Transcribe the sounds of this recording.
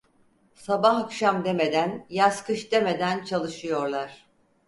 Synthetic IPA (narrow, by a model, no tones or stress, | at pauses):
sabaɦakʃamd̪e̞me̞d̪ænjaskɯʃd̪e̞me̞d̪ænt͡ʃʰalˠɯʃɯjo̞ɾlˠaɾ̥